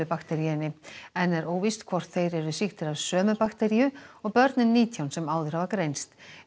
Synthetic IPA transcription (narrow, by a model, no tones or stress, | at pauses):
ɪpakt̪ɛɾiɪnːɪɛnːɛɾoːwvist̪kʰvɔr̥t̪θejɾɛɾðʏsixt̪ɪɾavsœːmʏpakt̪ɛɾiʏɔɣpœɾt̪nɪnːiːt̪ʰjawnsɛmaːwðʏɾhavakɾejnst̪